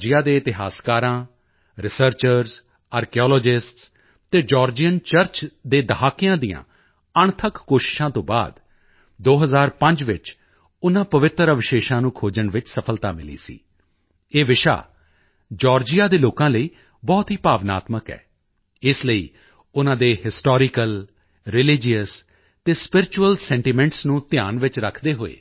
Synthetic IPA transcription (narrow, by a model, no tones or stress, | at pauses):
d͡ʒɪjaːd̪eːɪt̪ɪɦaːskaːɾãː | ɾɪsəɾt͡ʃəɾz | aːɾkeɔːlɔːd͡ʒɪsʈs | t̪eːd͡ʒɔːɾd͡ʒijənt͡ʃəɾt͡ʃd̪eːd̪əɦaːkːɪjãːd̪ijã̰ː | əɳt̪ʰəkːoːʃɪ̥ʃãːt̪õːba̰ːd̪ | d̪oːɦəzaːɾpə̃ɲd͡ʒʋɪ̰t͡ʃ | ʊnãːpəʋɪt̪ɾəʋɪʃeːʃãːnũːkʰoːd͡ʒəɳʋɪt͡ʃsəpʰəlt̪a̰ːmɪ̰lḭːsḭː | eːʋɪʃa̰ː | d͡ʒɔːɾd͡ʒɪjaːd̪eːloːkãːləiː | bɔːt̪ɦiːpaːʋna̰ːt̪məkɛ̰ː | ɪsləḭː | ʊnãːd̪eːhɪsʈɔːɾɪkəl | ɾɪlɪd͡ʒijəs | t̪eːspɪɾɪt͡ʃuəlsɛ̃ːɳʈiːmɛ̃ːɳʈsnũːt̪ɪjaːnʋɪt͡ʃɾəkʰd̪eːɦoːḛː